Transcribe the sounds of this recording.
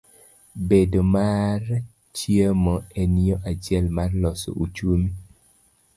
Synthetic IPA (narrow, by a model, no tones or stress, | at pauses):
bedomaɾ | t͡ʃjemɔɛniɔʔat͡ʃjɛlmarlɔso̰ʔut͡ʃumi